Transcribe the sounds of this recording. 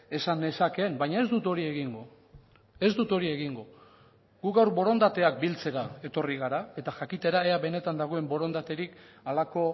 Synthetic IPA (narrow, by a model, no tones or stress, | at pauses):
e̞sane̞sake̞mbajɲae̞zd̪ut̪o̞ɾie̞ɣiŋɡo | e̞zd̪ut̪o̞ɾie̞ɣiŋɡo | ɡuɣawɾbo̞ɾo̞nd̪at̪e̞ak̚bilt͡se̞ɾae̞t̪o̞riɣaɾae̞t̪aʝakit̪e̞ɾaeaβe̞ne̞t̪and̪aɣ̞o̞e̞mbo̞ɾo̞nd̪at̪e̞ɾik | alako̞